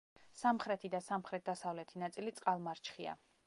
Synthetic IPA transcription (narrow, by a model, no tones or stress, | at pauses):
samχɾɛt̪ʰid̪asamχɾɛt̪̚d̪asavlɛt̪ʰinat̪sʼilit̪sʼqʼalˠmaɾt͡ʃʰχia̰